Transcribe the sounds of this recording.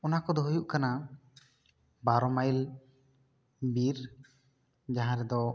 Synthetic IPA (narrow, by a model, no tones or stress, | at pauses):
ɔnakɔd̪ɔɦujuʔkana | baɾɔmajl | biɾ | d͡ʒaɦãɾɛd̪ɔ